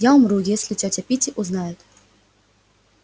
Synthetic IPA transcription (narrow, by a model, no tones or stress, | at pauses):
jaumrujɛsʲlʲit͡sʲɔt͡sʲapʲit͡sʲiʔuznajʊt̪